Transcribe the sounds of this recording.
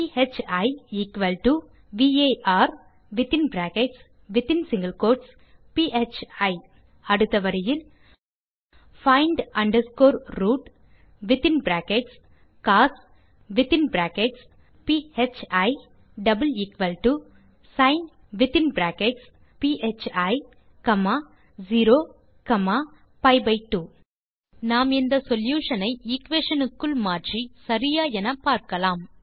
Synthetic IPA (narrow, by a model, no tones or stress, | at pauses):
pihet͡ʃɐɪɪkʋɐlʈu | ʋiːeːʔaːɾ | ʋɪt̪ɪnbɾaːkɛʈs | ʋɪt̪ɪnsɪŋɡɐlkoːɾʈs | piʔet͡ʃɐɪ | ɐɽɯt̪ːɐʋɐɾɐjɪl | fɐɪɳɖɐɳɖɐɾskoːɾɾuːʈ | ʋɪt̪ɪnbɾaːkɛʈs | kaːs | ʋɪt̪ɪnbɾaːkɛʈs | piːet͡ʃɐɪ | ɖɐbɐlɪkʋɐlʈuː | sɐɪn | ʋɪt̪ɪnbɾaːkeʈs | piːʔet͡ʃɐɪ | kɐmaː | ziːɾoː | kɐmaː | pɐɪbɐɪʈːuː | naːmɪnd̪ɐsɔljuːʂɐnɐɪɪkʋeːʂɐnɯkːɯlmaːʈrisɐɾɪjaːɛnɐpaːɾkɐlaːm